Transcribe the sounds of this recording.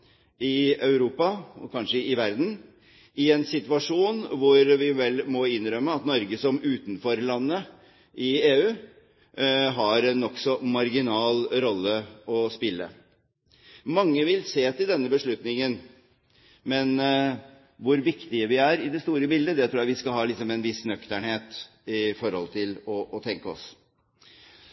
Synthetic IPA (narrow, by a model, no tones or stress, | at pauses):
ɪœʉɾuːpɑɔkʰɑnʂəɪʋæɾd̪n̩ | ɪɛnsɪt̪ʋɑʂuːnʋʊɾʋɪʋɛlmɔɪnːɾœmːəɑt̪nɔɾɡəsɔmʉːt̪nfɔɾlɑnːə | ʔɪeːʉː | ɦɑɾɛnːɔksɔmɑɾɡɪnɑːlɾɔlːəɔspɪlːə̰ | mɑŋːəʋɪlseːt̪ɪld̪ɛnːəbəʂɭʉt̪nɪŋən | mɛn | ʋʊɾʋɪkt̪ɪəʋɪæɾɪd̪ɛst̪uːɾəbɪld̪əd̪ɛt̪ɾuːjæʋɪskɑlɦɑːlɪksɔmɛnʋɪsnœkt̪əɳheːt̪ | ɪfɔɾhɔ̰lt̪ʰɪlɔʔːt̪ʰɛŋkəɔ̰s